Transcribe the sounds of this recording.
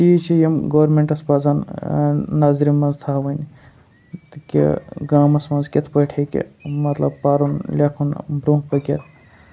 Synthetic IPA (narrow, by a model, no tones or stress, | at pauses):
t͡ʃiːt͡ʃʰijɐmɡoʋɾmeɳʈɐsbaːzanː | aːzɾinmɐnzt̪ʰaːʋɐn | t̪kḭɡaːmɐsmɐ̃nzket̪ʰpɐʈʰekḭmɐt̪lɐ̰b̚paːɾunlʲeːkʰunbɾõːpɐɡʲɐt̪̚ʰ